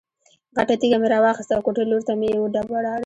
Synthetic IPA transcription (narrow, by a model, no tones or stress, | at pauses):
ɣaʈat̪iɡameɾɑwɑxɪst̪awkoʈeloɾt̪amejewoɖabaɽɑɽ